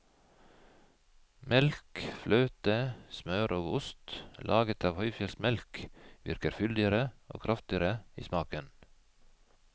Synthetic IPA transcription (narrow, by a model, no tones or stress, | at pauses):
mɛlkflœːt̪əsmœʉɾʔoːɡʊst̪lʔɑːɡət̪ʰɑːʋhœʏfjɛlsmɛlkʋɪɾkəɾfʏld̪ɪəɾəo̰ːkʰɾʔɑft̪ɪəɾəḭːsmɑːkən